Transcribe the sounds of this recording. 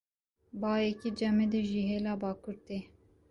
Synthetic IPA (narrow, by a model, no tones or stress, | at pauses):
bɑːjɛkid͡ʒɛmed̪ɨʒiɦeːlɑːbɑːkʰuɾt̪eː